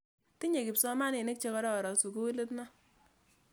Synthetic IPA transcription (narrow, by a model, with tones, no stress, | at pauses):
ti˦ɲe˨kɪ˨psɔ˦ma˦nɪ˨ne˦k̚t͡ʃe˦kɔ˦ɾɔ˦˨ɾɔ˨su˨ku˦we˦le˦tna˦